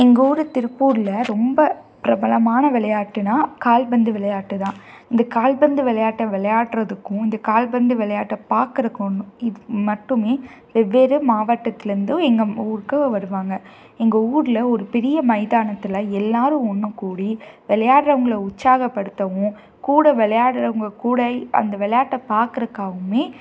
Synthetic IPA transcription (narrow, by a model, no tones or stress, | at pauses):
ɛŋɡɐuːɾɯt̪ɪɾɯpːuːɾlɐɾɔmbɐpɪɾɐbɐlɐmaːnɐʋɪlɐjaːʈːɯnaːkaːlbɐnd̪ɯʋɪlɐjaːʈːɯt̪ãːɪnd̪ɐkaːlbɐnd̪ɯʋɪlɐjaːʈːɐʋɛɭɐjaːʈːɾɐðɯkːʊ̃ɪnd̪ɐkaːlbɐnd̪ɯʋɛɭɐjaːʈːɐpaːɾkɯɾɐkːonːɯ̃ɪðɯmɐʈːɯmeː | ʋɛʋːeːɾɯmaːʋɐʈːɐt̪ːɪlɐɾɯnd̪ɯɛŋɡɐuːɾɯkːɯʋɐɾɯʋaːŋɡɐ | ɛŋɡɐuːɾɪlɐɔɾɯpɛɾɪjɐmɐɪðaːnɐt̪ːɪlɐɛlːaːɾɯ̃ɔɳːɯ̃kuːɽiʋɛɭɐjaːʈɾɐʋɐŋɡɐɭɐʊt͡ʃsaːɣɐpːɐɽɯt̪ːɐʋʊ̃ | kuːɽɐʋɛɭɐjaːɽɾɐʋɐŋɡɐkuːɽɐɐ̰nd̪ɐʋɛɭɐjaːʈːɐpaːɾkɯɾɯkːaːɣɯmeː